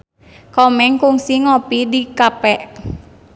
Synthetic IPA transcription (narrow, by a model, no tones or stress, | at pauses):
kɔmɛŋkʊŋsiŋɔpidikapɛʔ